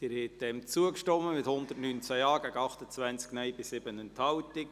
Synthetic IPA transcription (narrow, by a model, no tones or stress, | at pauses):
d̥ɪɾhɛt̚d̪ɛmt͡suəkʃtɔmːəmɪt̪hʊnd̪ətnynt͡sæjɑːɡ̥æɡɑχt̪ət͡svænt͡sknɛjbɪsːɪbənənt̪ʰɑwt̪ɪk